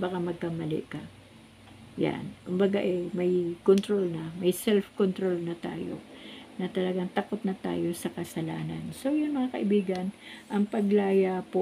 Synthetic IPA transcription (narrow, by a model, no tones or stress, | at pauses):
bɐkamɐɡ̚kamɐlɪ̰ʔkɐ | ja̰nkʊmbɐɡaʔɛmɐjkont̪ɾolnɐmɐjsɛlfkont̪ɾolnɐt̪a̰ːjo̞̰nɐt̪ɐlɐɡaŋt̪ɐko̞t̪nɐt̪a̰ːjo̞sɐkɐsɐlaːnɐnso̞jʊŋmɐŋakɐ̰ʔɪbiːɡɐnʔɐŋpɐɡlaːjapo